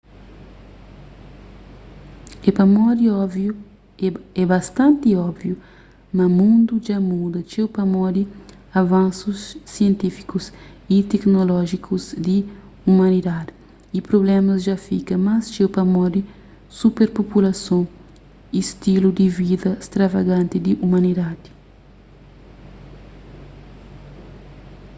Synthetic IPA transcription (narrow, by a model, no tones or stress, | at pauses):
epɐmɔd̪iɔvju | ɛbast̪ãnt̪iɔbvju | mɐmũnd̪ud͡ʒamud̪ɐt͡ʃewpɐmɔd̪i | avãnsusːiẽnt̪ifi̥kus | it̪eknolɔʒikʰuzd̪i | umãnid̪ad̪i | ipɾoblɛ̃mɐsʒafikɐmast͡ʃewpɐmɔd̪i | supeɾpopulasõ | ist̪ilud̪ivid̪ɐst̪ɾavaɡãnt̪ɪd̪iʔumãnid̪ad̪i̥